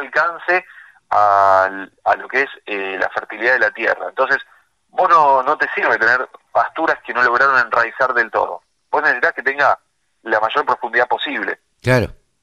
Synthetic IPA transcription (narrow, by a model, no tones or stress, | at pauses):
lkanse | a | alo̞keesela̰feɾt̪iliðaðelat̪jḛra̰ḛnt̪o̞ns̬e̞s | bosno̞no̞t̪e̞siɾβet̪eneɾpast̪uɾaskeno̞lo̞ɣ̞ɾaɾonenraisaɾðe̞lt̪o̰ðo̞̰ | besnesesit̪aket̪e̞ŋɡa | lamaʒo̞ɾpɾo̞fund̪iðapo̞siβlḛ | klaɾo̰